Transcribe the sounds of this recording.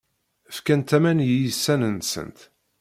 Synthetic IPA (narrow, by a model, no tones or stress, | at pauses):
fkænt̪æmænjijəsːænənsə̰nt̪